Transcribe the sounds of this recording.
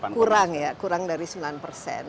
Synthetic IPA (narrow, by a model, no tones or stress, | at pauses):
kuɾaŋjakuɾaŋdaɾisəmbilanpərsɛ̰n